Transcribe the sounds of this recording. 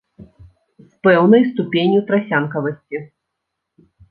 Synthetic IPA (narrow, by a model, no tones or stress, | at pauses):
spɛwnɐjst̪upʲenʲjut̪ɾasʲankɐvɐsʲt͡sʲi